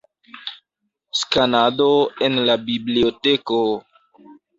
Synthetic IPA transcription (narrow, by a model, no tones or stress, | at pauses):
skanadoe̞nlabiblioteko